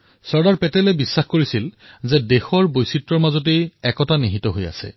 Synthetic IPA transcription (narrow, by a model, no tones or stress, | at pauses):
sɔɹdaɹpɛtɛlɛbisːaxkoɹisilzɛdexɔɹbojsitɹɔɹmazɔt̬ejɛkɔtaniɦitɔɦoja̰sɛ̰